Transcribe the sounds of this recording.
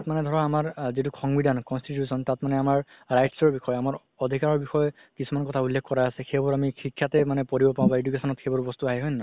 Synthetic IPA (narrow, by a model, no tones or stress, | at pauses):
tat̚manɛd̪ʱɔɹaamaɹzituxʰɔŋbidʱankɔnstitjusɔntatmanɛamaɹː | ajtsɔɹbixɔjamaɹ | ɔd̪ʱikaɹɔɹbixɔjɔ | kisumankɔtʰaulːekʰːkɔɹajasɛxebɔɹamixikʰjatɛmanɛpoɹibɔpaw̃baedukesɔnɔtxʰebɔɹbɔst̪uaɦɛɦojnna